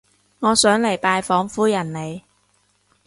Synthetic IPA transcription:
ŋɔː˨˧sœː˨˥ŋle˨˩jpaː˧jfɔː˨˥ŋfuː˥jɐ˨˩nle˨˧j

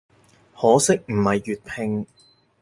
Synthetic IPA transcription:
hɔː˨˥sɪ˥k̚m̩˨˩hɐ˨jːyː˨t̚pʰɪ˧ŋ

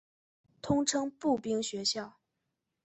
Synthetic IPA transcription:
t̪ʰʊ˥ŋʈ͡ʂʰɤ˥ŋpu˥˩pi˥ŋɕɥɛ˧˥ɕjɑ˥˩ʊ

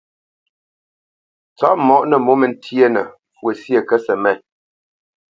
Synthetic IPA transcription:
t͡sɔ˦ʔmɔ˦ʔnə˨mo˦mə˨n̩˦tʰjə˦nə̰˨ | fwə˨sjə˨kə˦sə˨mɛ˦˨n

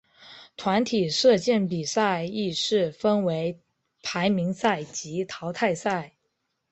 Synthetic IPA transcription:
t̪ʰwa˧˥nt̪ʰi˨˩ʂɤ˥˧t͡ɕjɛ˥˩np̬i˨˩sa˥˧ɪi˥˧ʂɻ̩˥˩fə˥nwe˧˥ɪ | pʰa˧˥ɪmi˧˥ŋsa˥˩ɪt͡ɕi˧˥t̪ʰɑ˧˥ʊt̪ʰa˥˧ɪsa˥˩ɪ

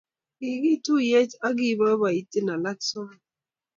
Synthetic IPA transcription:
i˨ɡi˦tu˦jɛ˦ta˦ɡi˦ba˦ba˨i˨ti˦na˨la˦ksɔ˦n

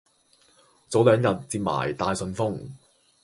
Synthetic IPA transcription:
t͡so˨˥wlœː˨˧ŋjɐ˨t̚t͡siː˧p̚ma̰ː˨˩jt̪aː˧jsɵ˨˧nfʊ˥ŋ

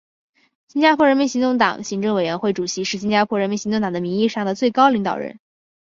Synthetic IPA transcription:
ɕi˥nt͡ɕja˥pʰwɔ˧˥ɻə˧˥nmi˧˥nɕi˧˥t̪ʊ˥˩ŋt̪ɑ̰˨˩˦ŋɕi˧˥ŋʈ͡ʂɤ˥˩ŋwe˨˩ɪɥɛ˧˥nxwe˥˩ɪʈ͡ʂu˨˩ɕi˧˥ʂɻ̩˥˩ɕ̬i˥nt͡ɕja˥pʰwɔ˥ɻə˧˥nmi˧˥nɕi˧˥t̪ʊ˥˩ŋt̪ɑ˨˩ŋd̪ə˦mi˧˥ŋi˥˧ʂɑ˥˩ŋd̪ə˩t͡swe˥˩ɪkɑ˥ʊli˧˥ŋt̪ɑ̰˨˩ʊɻə̰˧˥n

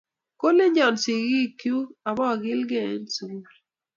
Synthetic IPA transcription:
ko˦le˦ɲɔ˨nsi˨ɡi˦˨kju˦a˨bɔ˦˨ɡɪ˦lɡḛ˦˨˦nsu˦m˨ɾ

